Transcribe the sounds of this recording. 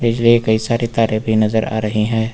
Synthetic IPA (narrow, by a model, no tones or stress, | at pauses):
bɪd͡ʒliekɐisaːɾit̪aːɾẽbʱinɐzəɾa̰ːɾɐɦiɦɛ̃ː